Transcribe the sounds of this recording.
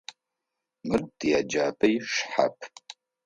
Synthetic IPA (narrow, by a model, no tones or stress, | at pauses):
mɨrd̥ijad͡ʒaːpʰʼɐjʂħa̰pʰ